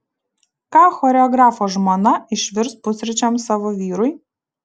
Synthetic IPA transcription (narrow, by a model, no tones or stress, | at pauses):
kɑːxɔːɾʲɛɔɡɾɑːfoːʒmoːnɐɪʃʲʋʲɪɾspʊsʲɾʲɪt͡ʃʲɔmsɑːʋoːʋʲiːɾʊɪ